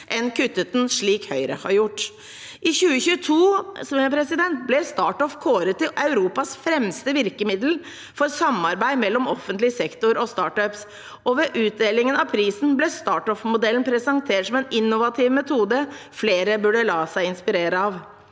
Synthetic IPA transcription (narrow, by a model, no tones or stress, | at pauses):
ʔɛnkʰʉt̪ːət̪n̩ʂɭiːkhœʏɾə̰hɑ̰ɾjʊʈː | ʔɪçʉːəçʉːət̪ʰuːspʰɾɛsɪd̪ɛnt̪̚blɛst̪ɑːʈɔfkʰoːɾət̪ʰːɪʔɑʉɾuːpɑsfɾɛmst̪əʋɪɾkəmɪd̪l̩ | fɔɾsɑmːɑɾbæɪmɛlːɔmɔfənt̪lɪsɛkt̪ʊɾɔst̪ɑːʈœps | ɔʋɛʔʉːt̪̚d̪eːlɪŋənɑʋpʰɾiːsn̩blɛst̪ɑːʈɔfmʊd̪ɛln̩pʰɾɛsɑŋt̪ʰeːʈsɔmɛnɪnːʊʋɑt̪ʰɪʋmɛt̪ʰuːd̪əfleːɾəbʉɖəlɑːsæɪɪnspɪɾeːɾəɑʋ